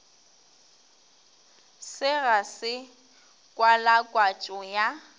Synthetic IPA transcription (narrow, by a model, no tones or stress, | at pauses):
sɪɣasɪ | kʼwalakʼwat͡ʃʼɔja